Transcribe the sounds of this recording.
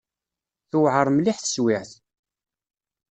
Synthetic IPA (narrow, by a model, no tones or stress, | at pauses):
θʊwʕəɾˤmliħθə̥swɪʕθ